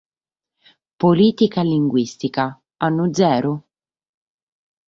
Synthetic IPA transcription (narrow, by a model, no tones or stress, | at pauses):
poliːt̪ikaliŋɡwist̪ika | anːʊd̪zɛːɾʊ